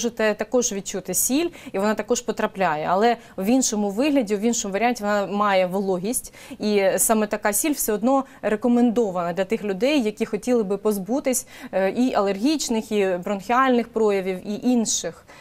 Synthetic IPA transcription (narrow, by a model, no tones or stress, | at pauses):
ʒɪt̪ɛt̪ɐkɔʒʋʲid̪̚t͡ʃut̪ɪsʲilʲiʋɔnɑt̪ɐkɔʃpɔt̪ɾɐplʲajɛɐlˠɛ | wʲinʃɔmʊʋɪɦlʲɐdʲiwʋʲinʃɔmʊʋɐɾʲɪanʲtʲiʋɔnɑmɑjɛʋɔlˠɔɦʲisʲtʲ | isɑmɛt̪ɐkɑsʲilʲwsʲɛɔd̪nɔ | ɾekɔmend̪ɔʋɐnɐd̪lʲɐt̪ɪxlʲʊd̪ɛjːɐkʲixɔtʲilˠɪbɪpɔzbut̪ɪsʲ | ʔiʔɐlˠerɦʲit͡ʃnɪxibɾɔnxʲɪɑlʲnɪxpɾɔjɐʋʲiwiʔinʃɪx